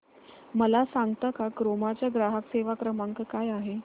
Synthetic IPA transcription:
məlasaŋɡt̪akakɾomat͡ɕjaɡɾaɦakseʋakɾəmaŋkkajaɦe

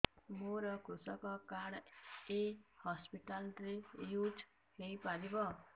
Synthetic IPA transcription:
moɾʌkʰusʌkɔkaɽehɔspiʈalɾejud͡ʒ | lejpaɾibʌ

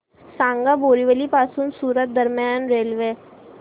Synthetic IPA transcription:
sãːŋɡaboːɾiʋəlipaːsuːnsuːɾət̪̚d̪əɾmjaːnɾeːlʋe

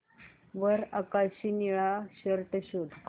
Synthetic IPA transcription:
ʋəɾakaɕiniɭaɕəɾʈəɕud̪ʱ

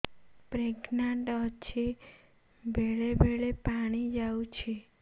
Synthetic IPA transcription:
pɾeɡnaɳʈət͡ʃʰe | bʱeɭebʱeɭepaɽ̃id͡ʒaũt͡ʃʰe

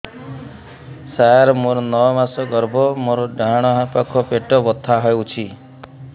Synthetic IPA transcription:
sajaɾmoɾɔnɔmasɔɡɔɾbʱɔmoɾɔɖaɽ̃ɔɦapakʰɔpeʈɔbɔt̪ʰːaɦɔewt͡ʃʰi

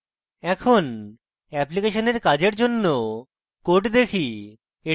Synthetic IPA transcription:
ɛkʰon | ɛplikeʃoneɾkad͡ʑeɾd͡ʑonːo | koʈd̪ekʰi | e

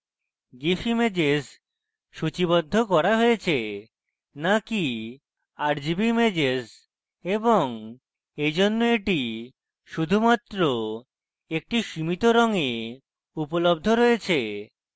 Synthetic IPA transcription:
ɡifʰimed͡ʑes | ʃut͡ɕiβɔd̪ʱːokɔɾaɦojet͡ɕʰe | naki | aɾd͡ʑibimed͡ʑes | eboŋ | ejd͡ʑonːoeʈi | ʃud̪ʱumat̪ɾo | ek̚ʈiʃimit̪oɾɔŋe | upolobd̪ʱoɾɔjet͡ɕʰe

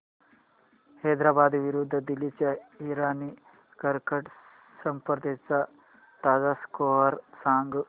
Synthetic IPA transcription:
hɐjd̪ɾaːbaːd̪iʋiɾud̪ʱːɐd̪ilit͡ʃɐiɾaːni | kɐɾkɐʈ | sɐmpɾɐd̪esɐ | t̪aːzaːskoːɦɐɾsaːŋɡu

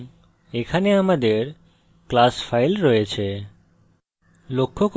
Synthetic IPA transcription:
ekʰaneamad̪eɾ | klasfajlɾɔjet͡ɕʰe | lokʰːok

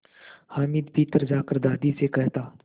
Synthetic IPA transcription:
haːmiːd̪piːt̪əɾd͡ʒaːkəɾd̪aːd̪isekɛɦt̪aː

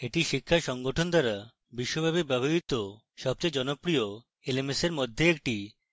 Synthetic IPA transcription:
eʈiʃikʰːaʃɔŋɡoʈʰond̪aɾa | biʃːobʱabikbɛbʱoɦit̪o | ʃɔb̚t͡ɕɔjd͡ʑɔnopɾio | elemeseɾmod̪ʱːeek̚ʈi

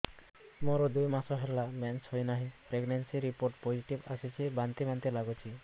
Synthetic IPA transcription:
moɾɔd̪ujmasɔɦelamɛnsɦojnaɦipɾeɡnensiɾipoɾʈpod͡ʒiʈiba̰sit͡ʃʰibant̪imant̪elaɡot͡ʃʰi

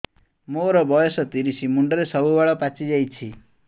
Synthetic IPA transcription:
moɾɔbɔjɔsɔt̪iɾisimuɳɖɔɾesɔbubaɭɔpat͡ʃid͡ʒajt͡ʃʰi

